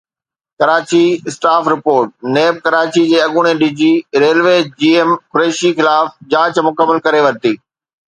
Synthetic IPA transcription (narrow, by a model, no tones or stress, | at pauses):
kɐɾaːt͡ɕisʈaːfɾɪpoːɾʈ̚neːb̚kɐɾaːt͡ɕid͡ʑeːɐɠʊɽ̃eɗid͡ʑiɾeːlʋeːd͡ʑiːemkʊɾeːʃixɪlaːfd͡ʑaːt͡ɕmʊkəmːəlkɐɾeʋɐɾt̪iː